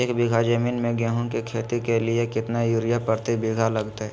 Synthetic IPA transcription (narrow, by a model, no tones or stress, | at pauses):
eːkbɪɡʱad͡ʒəmiːnmẽɡɛ̃ːɦõkikʰeːt̪ikelɪekɪt̪najuːɾɪjapəɾt̪ibɪɡʱalɐɡt̪eɦɛ